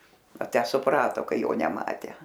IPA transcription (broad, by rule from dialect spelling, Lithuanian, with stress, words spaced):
ɐ ˈtʲæː sʊˈprɑːtoː ˈkɐɪ ˈjoː nʲɛˈmɑːtʲæː